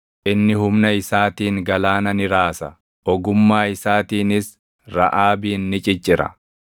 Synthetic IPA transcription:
ʔɪnːɪhʊmnɐɪsaːt̪iːŋɡɐlaːnɐnɪɾaːsɐ | ɔɡʊmːaːɪsaːt̪iːnɪs | ɾɐ̰ʔaːbiːnːɪt͡ʃʼɪt͡ʃʼːɪɾɐ̰

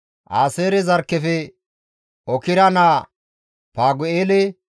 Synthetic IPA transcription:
ʔaːseːɾɛzɐɾkːɛfɛ | ɔkɪɾɐnaː | paːɡʊeːlɛ

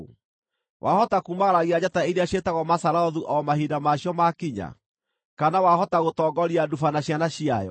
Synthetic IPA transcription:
wʔahɔtakuːmaɣaɾaɣiad͡ʑataiɾeaɕetaɣɔmasaɾaɔðuʔɔmahidamaɕjɔmakiɲa̰ | kanawahɔtaɣotɔɡɔɾiadufanaɕjanaɕiajɔ̰

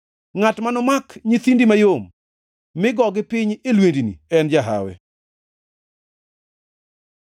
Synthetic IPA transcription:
ŋatmanɔmakɲit̪indimajomː | ɪɡɔɡɪpɪɲelwendinḭɛnd͡ʒaɦa̰wɛ̰

